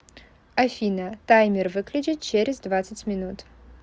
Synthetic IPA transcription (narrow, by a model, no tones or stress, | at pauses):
ɐfʲinɐt̪ajmʲɪrvɨklʲʊd͡ʒʲɪt̪̚t͡ɕeɾʲɪzd̪vat̪sɨtʲmʲɪnut̪